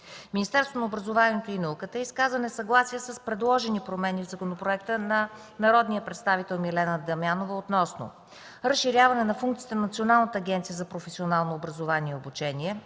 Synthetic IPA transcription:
minist̪ɛɾst̪vonəobɾəzovaɛt̪oinɐukət̪əɛiskazvənɛsɐɡlˠasiəsəspɾɛd̪lˠɔʒɛnipɾomɛnʲivzɐkonopɾoɛk̚t̪ənɐ | nɐɾɔd̪nijəpɾɛt̪st̪avit̪ɛlˠmilɛnəd̪ɐmjanovəot̪nɔsno̰ | ɾəsʃiɾʲjavɐnɛnɐfuŋkt̪sit̪ɛnɐnət̪sionalˠnət̪əːɡʲɛnt̪sijəzɐpɾofɛsionalˠnoobɾɐzovaniɛobut͡ʃɛniɛ

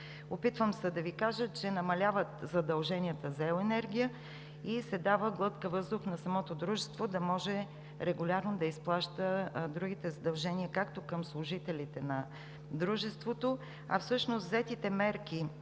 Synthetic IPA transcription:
opit̪vəmsəd̪ɐvikaʒət͡ʃɛnɐmɐlʲavət̪zɐd̪ɐlˠʒɛnʲiət̪əzɐɛʊɛnɛɾɡʲijə | isɛd̪avəɡlˠɤt̪kəvɤzd̪ʊxnɐsɐmɔt̪od̪ɾuʒɛst̪vod̪ɐmɔʒɛ | ɾɛɡʊlʲaɾnod̪ɐisplˠaʃt̪əd̪ɾuɡ̟it̪ɛzɐd̪ɐlˠʒɛniəkakt̪okəmslˠʊʒit̪ɛlʲit̪ɛnɐ | d̪ɾuʒɛst̪vot̪o | ɐ̰fsɤʃnost̪zɛt̪it̪ɛmɛɾki

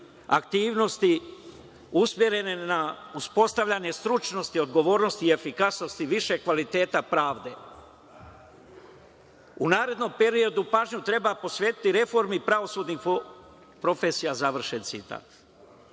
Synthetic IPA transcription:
a̰kt̪iːʋno̞st̪i | usmje̞ɾe̞ne̞nauspo̞st̪aʋʎaɲe̞st̪ɾut͡ʃno̞st̪io̞d̪ɡo̞ʋo̞ːɾno̞st̪iːe̞fikasno̞st̪iʋiʃe̞kʋalit̪e̞ːt̪apɾaːʋd̪e̞ | unaːɾe̞d̪no̞mpe̞ɾio̞d̪upaːʒɲut̪ɾe̞bapo̞sʋeːt̪i̥t̪iɾe̞fo̞ɾmipɾaʋo̞suːd̪ni | pɾo̞fe̞sijazaʋr̩ʃensit̪a̰ːt̪

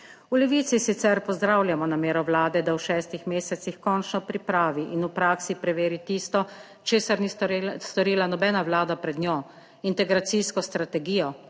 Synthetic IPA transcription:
ulɛʋiːt̪sisit̪sɛɾpɔzd̪ɾaːwlʲjamɔnameːɾɔwlaːd̪ɛd̪awʃɛːst̪ixmeːsɛt̪sixkɔnt͡ʃnɔpɾipɾaːʋiʔinupɾaːksipɾɛʋeːɾit̪iːst̪ɔ | t͡ʃeːsaɾnist̪ɔɾiːlanɔbɛːnaʋlaːd̪apɾɛd̪njɔ | int̪ɛɡɾat̪siskɔst̪ɾat̪ɛɡiːjɔ

